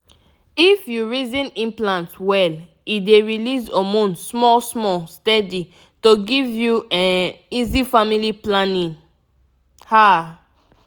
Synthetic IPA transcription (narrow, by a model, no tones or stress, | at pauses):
ifjuɹizĩnĩmplãntwɛl | ideɹilisɔmõnsmɔlsmɔstɛdi | toɡivjuãizifamiliplãnĩn | ha